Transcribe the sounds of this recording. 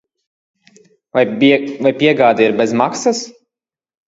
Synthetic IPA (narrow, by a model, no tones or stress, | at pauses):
avajpʲiɛɡaːd̪aiɾbʲezmaksas